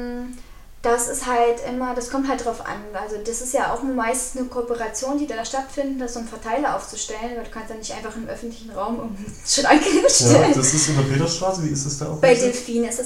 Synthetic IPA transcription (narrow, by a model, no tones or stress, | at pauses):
d̥asɪsthaltʔɪmɐdaskʰɔmthalt̚d̥ʁaʊfʔa̰nʔalzod̥asɪstjaːʔa̰ʊxnmaɪstn̩snəkʰoɔpəʁat͡sjoːndiːdaːdaʃtatfɪndn̩dasʊmfɛɐtʰaɪləʔa̰ʊft͡suʃtɛlənabɐduːkʰanstd̥aːnɪçtʔaɪnfaχɪnmʔœfn̩tlɪçn̩ʁaʊmʊnʃɪtanɡəleːbɐʃtɛlndasɪstɪndɐfeːɾɐsʃtʁ̥aːsəviːɪsd̥asd̥aʊb̥aɪdɛlfiːnɪstd̥as